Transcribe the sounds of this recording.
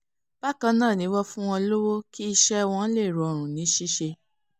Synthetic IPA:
b̥a˦kã˧nãː˦˨nĩ˨˦wɔ˦fũ˦w̃ɔ̃˧lo˦wo˦ki˦i˧ʃɛ˦w̃ɔ̃˧˦le˦˨ɾɔ˨ɔ˨ɾ̃ũ˨nĩ˨˦ʃi˦ʃe˧

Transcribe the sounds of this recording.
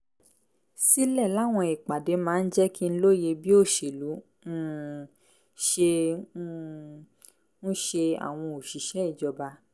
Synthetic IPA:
si˦lɛ˦˨la˦˨w̃ɔ̃˧i˨k͡pa˨de˨˦mãː˦˧˦n̩˦d͡ʒɛ˦ki˦n̩˦lo˦je˧bi˦o˦˨ʃe˨lũ˨˦˨ | ʃe˧˦ | nũ˦ʃe˧a̰˨w̃ɔ̃˧o˨ʃi˨ʃɛ˨˦i˦˨d͡ʒɔ˨˧ba˧

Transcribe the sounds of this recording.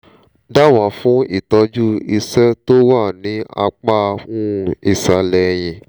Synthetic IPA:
da˦wã˨fũ˨˦i˦˨tɔ˧d͡ʒu˦i˧sɛ˦to˦wa˦˨nĩ˨˦a̰˧k͡pa˦˧ũ˦˨i˨sa˧lɛ˨˧j̃ĩ˨

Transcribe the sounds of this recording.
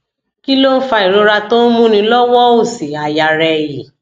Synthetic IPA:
ki˦lo˦n̩˦fa˧i˨ɾo˨˧ɾa˧to˦mũ˦nĩ˧lɔ˦wɔ˦o˦˨si˨a˨ja˨ɾɛ˧ji˨

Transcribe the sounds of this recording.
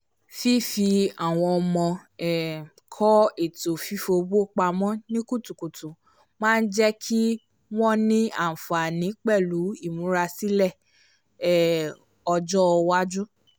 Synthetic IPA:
fi˦fi˧a˨w̃ɔ̃˧ɔ˧mɔ̃˧ɛ˨ | kʰɔ˦e˦˨to˨fi˨˦fo˧bo˦k͡pa˧mɔ̃˦nĩ˦ku˦˨tu˨ku˨tũ˨ | mãː˦˧n̩˦d͡ʒɛ˦kʰi˦ | w̃ɔ̃˦nĩ˦a̰˦˨fa˨nĩ˨˦k͡pɛ˦˨lu˨˦i˦˨mũ˨˦ɾa˧si˦lɛ˦˨ | ɛ˦˨ | ɔ˧d͡ʒɔ˦ɔ˧wa˦d͡ʒũ˦

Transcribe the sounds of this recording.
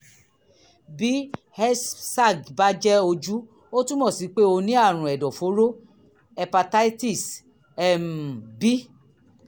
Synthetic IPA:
bi˨˦ | hɛ˦ssa˦˨ɡba˦d͡ʒɛ˦o˧d͡ʒu˦ | o˦tũ˦mɔ̃˦˨si˨˦k͡pe˦o˧nĩ˦a˦˨ɾ̃ũ˨ɛ˨dɔ˨fo˨˦ɾo˦ | ɛ˧pa˧ta˦i˦ti˦˨s | ɛ˦m˨bi˦

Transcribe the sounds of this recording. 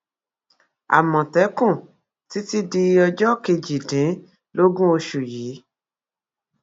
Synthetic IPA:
a̰˨mɔ̃˨tɛ˨˦kũ˦˨ | ti˨˦ti˦di˧ɔ˧d͡ʒɔ˦ke˧d͡ʒi˨dĩ˨˦ | lo˦ɡũ˦o˧ʃu˨jiː˨˦

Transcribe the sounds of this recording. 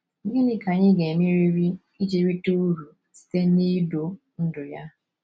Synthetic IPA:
ŋ̩˦ɡɪ˦nɪ˦ka˨ɲɪ˦ɡe˨mi˦ɾi˦ɾi˦ | i˦d͡ʒe˦ɾi˦tu˦ɾu˨ | si̥˨te˦n̩˦ni˦do˨ | n̩˦dʊ˨ja˦

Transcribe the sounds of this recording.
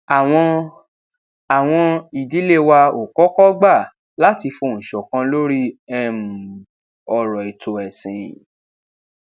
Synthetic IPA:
a˨w̃ɔ̃˧ | a˨w̃ɔ̃˧i˨di˨˦le˦wa˧o˨kɔ˨˦kɔ˦ɡ͡ba˦˨ | la˦ti˧fo˧˨ñ̩˨ʃɔ˨kã˧lo˦ɾi˦ɛ˧mũ˨ | ɔ˧ɾɔ˨e˨to˨ɛ˨sĩ˨

